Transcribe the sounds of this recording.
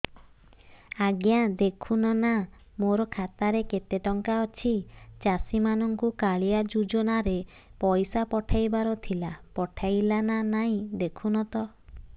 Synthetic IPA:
aɡjad̪ekʰunɔna | moɾɔkʰat̪aɾeket̪eʈɔŋkaɔt͡ʃʰit͡ʃasimanɔŋkukaɭijad͡ʒud͡ʒɔnaɾe | pɔjsapɔʈʰajbaɾɔt̪ʰilapɔʈʰajlananaĩd̪ekʰunɔt̪ɔ

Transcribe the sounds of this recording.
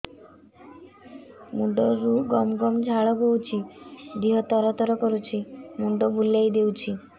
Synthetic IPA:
muɖɔɾuɡɔmɡɔmd͡ʒʱaɭɔbowt͡ʃʰid̪iɦɔt̪ɔɾɔt̪ɔɾɔkɔɾut͡ʃʰimuɳɖɔbulajd̪ewt͡ʃʰi

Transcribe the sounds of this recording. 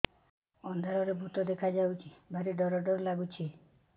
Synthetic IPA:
ɔnd̪ʱaɾɔɾebʱut̪ɔd̪ekʰad͡ʒawt͡ʃʰibʱaɾiɖɔɾɔɖɔɾɔlaɡut͡ʃʰi

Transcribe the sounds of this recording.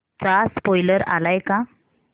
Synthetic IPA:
t͡saspɔjləɾa̰lajka

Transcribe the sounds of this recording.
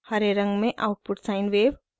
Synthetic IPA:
hɐɾeɾɐ̃ŋɡmẽʔa̰ʊʈ̚pʊʈsaːɪnʋeːʋ

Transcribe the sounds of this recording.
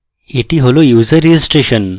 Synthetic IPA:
eʈiɦolojuːzəɾisʈeɕən

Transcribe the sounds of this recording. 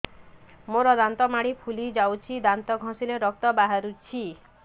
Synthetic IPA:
moɾɔd̪ant̪ɔmaɽipʰulid͡ʒawt͡ʃʰid̪ant̪ɔɡʱɔ̃sileɾɔk̚t̪ɔbaɦaɾut͡ʃʰi

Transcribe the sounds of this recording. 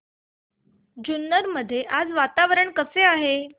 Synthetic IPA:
d͡ʑunːəɾməd̪ʱːjeʔad͡zʋat̪aʋəɾəɳkəseaɦe

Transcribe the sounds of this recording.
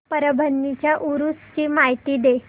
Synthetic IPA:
pəɾəbʱənːit͡ɕjaʔuɾust͡ɕiːmajt̪iːd̪e

